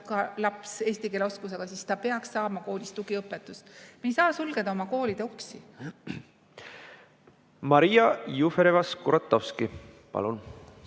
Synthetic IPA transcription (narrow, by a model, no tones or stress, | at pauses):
kɑlɑpse̞ːst̪ike̞leo̞skus̬eɡ̥ɑsiːst̪ɑpe̞ɑksːɑːmɑko̞ːlʲist̪uɡ̥iɤpːˑet̪ːˑust̪mejsɑːsulɡ̥e̞d̪̥ɑo̞mɑko̞ːlid̪̥euksi | mɑɾijɑjufeɾevɑskuɾɑt̪ˑːowski | pɑ̰lun